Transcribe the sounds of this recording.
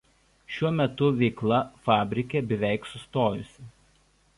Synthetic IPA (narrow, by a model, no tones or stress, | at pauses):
ʃʲuɔmʲɛt̪ʊʋʲɛɪklˠɐfɑːbʲɾʲɪkʲebʲɛʋʲæˑɪksʊst̪oːjʊsʲɪ